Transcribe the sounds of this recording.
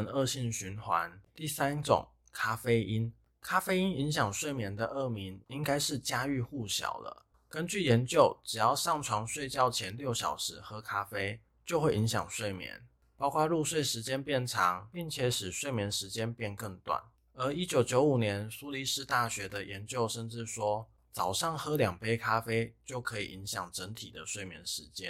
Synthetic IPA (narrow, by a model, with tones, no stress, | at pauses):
nə˥˧ɕi˥˩nɕy˧˥nxwa̰˧˦nt̪i˥˩sa˥nt͡sʊ̰˨˩ŋ | kʰa˥fe˥ɪʔi˦˥n | kʰa˥fe˥ɪi˥ni˧˥ŋɕjɑ˨˩ŋʂwe˥˩ɪmjɛ˧˥nd̪ə˧ʔɤ˥˩mi˧˥ni˦˥ŋka˥ɪʂɻ̩˥˩t͡ɕja˥y˥˧xu˥˩ɕjɑ̰˨˩ʊlə̰˦ | kə˦˥nt͡ɕy˥˩jɛ˨˧˥nt͡ɕjo˥˩ʊʈ͡ʂɻ̩˨˩jɑ˥˧ʊʂɑ˥˩ŋʈ͡ʂʰwɑ˧˥ŋʂwe˥˧ɪt͡ɕjɑ˥˩ʊt͡ɕʰjɛ˧˥nljo˥˩ʊɕjɑ̰˨˩ʊʂɻ̩˧˥xɤ˧˥kʰa˥fe˥ɪ | t͡ɕjo˥˧ʊxwe˥˩ɪi˧˥ŋɕjɑ̰˨˩ŋʂwe˥˩ɪmjɛ̰˧˥˦n | pɑ˥ʊkʰwa˥˧ɻu˥˧ʂwe˥˩ɪʂɻ̩˧˥t͡ɕjɛ˥npjɛ˥˩nʈ͡ʂʰɑ˧˥˦ŋpi˥˩ŋt͡ɕʰjɛ˧˥˦ʂɻ̩˨˩ʂwe˥˩ɪmjɛ˧˥nʂɻ̩˧˥t͡ɕjɛ˥npjɛ˥˧nkə˥˧ŋt̪wa̰˥˩n | ə˧˥i˥t͡ɕjo˧˥ʊt͡ɕjo˧˥ʊu˨˩njɛ˧˦nsu˥li˧˥ʂɻ̩˥˧t̪a˥˩ɕɥɛ˧˥d̪ə˨jɛ˧˥nt͡ɕjo˥˧ʊʂə˥˧nʈ͡ʂɻ̩˥˧ʂwɔ˥ | t͡sɑ˨˩ʊʂɑ˥˩ŋxɤ˥ljɑ˨˩ŋpe˥ɪkʰa˥fe˥ɪt͡ɕjo˥˩ʊkʰɤ˧˥ḭ˨˩i˧˥ŋɕjɑ̰˨˩ŋʈ͡ʂə˧˥ŋt̪ʰi˨˩d̪ə˦ʂwe˥˩ɪmjɛ˧˥nʂɻ̩˧˥t͡ɕjɛ˥˦n